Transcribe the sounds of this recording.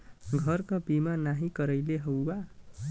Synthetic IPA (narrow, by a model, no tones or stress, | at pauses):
ɡʱʌrkabimanaɦikʌɾʌjleɦʌwwa